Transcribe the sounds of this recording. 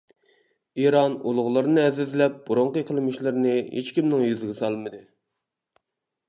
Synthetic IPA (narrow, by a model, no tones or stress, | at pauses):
iɾɑnulˠʊʁlˠɨɾɨnɨɛzɪzlɛp̚b̥uɾoɴqəjqʰəlˠɨmɨʃlˠɨɾnɨɦḛt͡ʃkʲimnɪŋjyzɪɡʲɛsɑlˠmɨd̪ɨ